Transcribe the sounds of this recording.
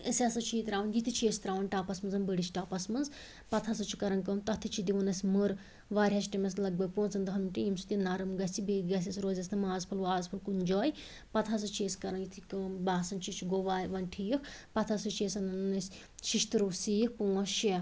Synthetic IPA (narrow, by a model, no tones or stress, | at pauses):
əsʲasɨt͡ʃʰiːt̪ɾaːʋɐnɡit̪ʰit͡ʃʰest̪ɾaːʋɐnʈaːpɐsmɐnzɐnbəɽit͡ʃʰʈaːpɐsmɐnz | pɐt̪ʰas̬ɨt͡ʃʰi̥kɐɾɐnkəːmt̪ɐt̪ʰit͡ʃʰid̪iʋɐnɐsʲmɨɾ | ʋaːɾʲɦʲɐt͡ʃʰʈɐmɐs̬lɐɡbɐːpõːnt͡sɐnd̪ʱɦɐnmiʈijimsu̥t̪ʲinaːɾɐmɡɐsʲt͡sʰibeːɡɐs̬ʲɐsɾoːzʲɐsnɨmaːzpʰɐlʋaːzpʰɨlkund͡ʒɔːj | pɐt̪ʰas̬ɨt͡ʃʰeːskɐɾɐnɡit̪ʰikəːmbaːsɐnt͡ʃʰit͡ʃʰɡoʋaːjʋɐnʈʰijikpɐt̪ʰɐsɨt͡ʃʰesɐnnɐsʲ | ʃiʃt̪ɨɾosijik̚puːoʃe